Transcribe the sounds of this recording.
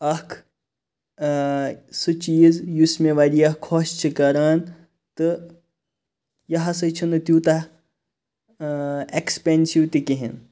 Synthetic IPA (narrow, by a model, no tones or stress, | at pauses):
ɐhkʰ | sɨt͡ʃiːzjusmeʋɐɾiɐhkʰːost͡ʃʰikɐɾaːn | t̪ɨ | jɐɦɐsɐt͡ʃʰunɨt̪juːt̪a | ekspensiwt̪ikiɦḭn